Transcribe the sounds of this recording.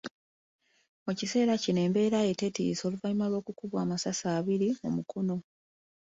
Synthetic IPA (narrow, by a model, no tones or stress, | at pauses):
mucise̞ːɾacine̞ːmbe̞ːɾaje̞te̞tḭːso̞ːluvaɲimalwo̞ːkukuβwaːmasasaːβiɾiumukʰo̞no̞